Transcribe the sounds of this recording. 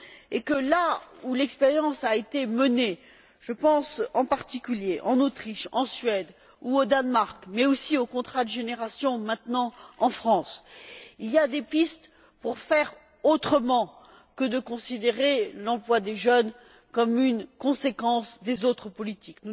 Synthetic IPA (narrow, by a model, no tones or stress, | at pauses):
ekəlaulɛkspeʁjɑ̃saet̪eməne | ʒ̥əpɑ̃sɑ̃paʁt̪ikʲyljeʔɑ̰̃not̪χiʃɑ̰̃sɥɛd̪ | uod̪anmaʁkmɛosiokɔ̃t̪χad̪əʒeneʁasjɔ̃mɛ̃t̪nɑ̃ɑ̃fχɑ̃siliad̪epist̪ | puʁfɛʁ | ot̪χəmɑ̃ | kəd̪əkɔ̃sid̪eʁelɑ̃plwad̪eʒœn | kɔmynkɔ̃sekɑ̃sd̪ezot̪χəpɔlit̪iknu